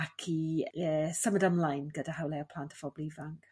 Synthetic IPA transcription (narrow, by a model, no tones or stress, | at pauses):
akʰiəsəmədəmlˠajnɡədahawlˠɛɔpʰlˠaːntʰə̥fɔblˠivaŋk